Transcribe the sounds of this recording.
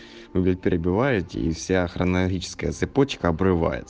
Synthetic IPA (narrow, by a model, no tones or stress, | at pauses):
vɨbʲit̪̚ʲpʲɪɾʲʔɪbʲɪʋɑjʊt̪ʲḭfsʲaxrɐnɐlˠɐɦʲit͡ʃɪ̥skɐjət̪sɨpot͡ʃkɐɐbɾɪʋa̰jɪ̰t̪